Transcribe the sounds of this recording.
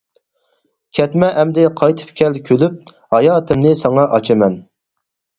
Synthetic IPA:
kʲʰɛt̪mɛʔɛmd̪ɪqʰɑjt̪ʰɨ̥pkʲʰɛlkʲʰølyp̚ | hɑjɑːt̪ʰɨmnɪsɑŋɑʔɑt͡ʃʰɨmɛn

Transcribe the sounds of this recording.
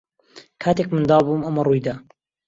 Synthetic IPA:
kʰaːt̪eːkmɨnd̪ɑːbuːmɐmɐrˤujd̪aː

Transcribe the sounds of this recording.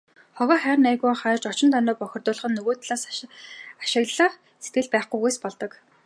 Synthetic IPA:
χɔɣɔːχæːrnæjɣuːŋχaːrt͡ɕɔt͡ɕɪ̆nt̪ʰœnɔːpɔxʲɪ̆rt̪ʊːɮ̆χɞ̆nːɵɣoːt̪ʰɮaːs | ḁʃɪ̆ɣɮə̆χ | set̪ɡɘ̆ɮpæːχɡujɣujspɔɮt̪ɞ̆k

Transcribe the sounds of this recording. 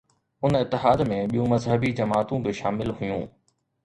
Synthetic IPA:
ʊnɪt̪ːɪɦaːd̪mẽɓijũmɐzɦəbid͡ʑɐmaːt̪ũbɪʃaːmɪlɦʊjṵ̃ː

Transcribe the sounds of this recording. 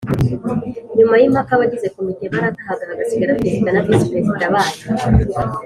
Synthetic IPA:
ɲumajimakaβaɟize̞kumiɟemaɾakaɦaɡaβaɡasiɡaɾakiziɡanakisipeziɾaβaːna

